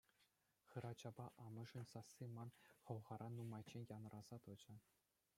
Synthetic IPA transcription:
χɯ̆ɾɑt͡ɕɑbɑʔɑmɤ̆ʐɘ̆nʲsɑsːimɑnχɤ̆ʋʁɑɾʔɑnːumɑjt͡ɕːenʲjɑnrʔɑz̥ɑt̪ɤ̆d͡ʑɘ̆

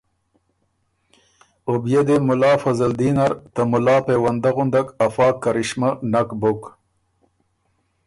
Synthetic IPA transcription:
objed̪emʊlaːfɐzɐld̪iːnaɾt̪ɐmulɑːpewɐnd̪aɣund̪akɐfɑːkːɐɾiɕmanakbok

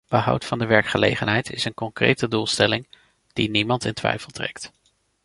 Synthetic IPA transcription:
bəɦʌ̰wtfɑndəʋɛɹkχəlḛjχənɦɛjtʰɪsənkɔŋkrḛjtədulˠstɛlɪŋ | d̥inimɑntɪntʋɛ̰jfəlˠtrɛ̰kt

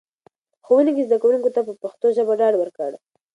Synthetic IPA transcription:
xowənekizd̪akawuŋkot̪apəpaxt̪oʒəbaɖɑɖwəɾkəɽa

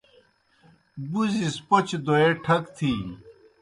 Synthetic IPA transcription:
buzispot͡ɕd̪oeʈʰɐkt̪ʰi

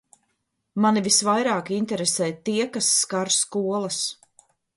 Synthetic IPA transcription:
manivisvajɾaːkint̪ɛɾesɛːt̪iɛkasːkaɾskuɔlˠɐs

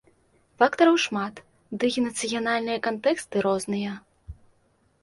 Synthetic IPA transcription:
fakt̪ɐɾɐwʂmat̪ | d̪ɨɣʲinɐt̪sɨjanalʲnɨjɐkant̪ɛkst̪ɨɾɔznɨjɐ

